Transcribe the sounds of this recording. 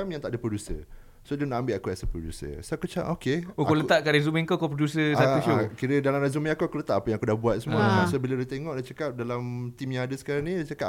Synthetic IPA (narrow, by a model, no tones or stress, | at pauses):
amjaŋt̪aʔdəpɾodusə̰ | sodunaʔambɪlakuasəpɾodṵsə̰soakut͡ʃa̰ʔokeokolət̪aʔkaɾazumiŋkokopɾodusəatuʃokiɾədalamɾazumĩakuakulət̪aʔapəjãŋakudahbuat̪̚səmuaasobiladat̪eŋɔʔdat͡ʃəkap̚dalamt̪imjãŋadəsə̥kaɾaŋnĩat͡ʃəka